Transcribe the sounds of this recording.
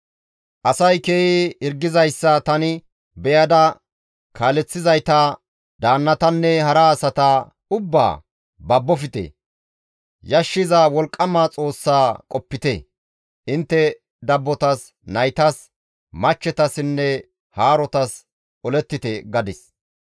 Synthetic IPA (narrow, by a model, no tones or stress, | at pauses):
ʔɐsɐjkeːiɪɾɡɪzɐjsːɐt̪ɐnɪ | bɛjɐd̪ɐ | kʰaːlɛt͡sːɪzɐjt̪ɐ | d̪aːnːɐt̪ɐnːɛhɐɾɐːsɐt̪ɐ | ʊbːa̰ː | bɐbːɔfɪt̪ɛ̰ | jɐʃːɪzawɔlkʼːɐmat͡sʼo̞ːsːaːkʼɔpːɪt̪ɛ | ʔɪnt̪ːɛ | d̪ɐbːɔt̪ɐs | nɐjt̪ɐs | mɐt͡ʃːɛt̪ɐsɪnːɛ | haːɾɔt̪ɐs | ʔɔlɛt̪ːɪt̪ɛɡɐd̪ɪs